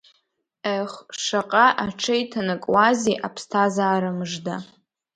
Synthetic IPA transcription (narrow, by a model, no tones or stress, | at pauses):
eχʂaqʼaʔaʈ͡ʂʰejtʰanɨkʼwaziʔapʰstʰazaːɾɨmʐda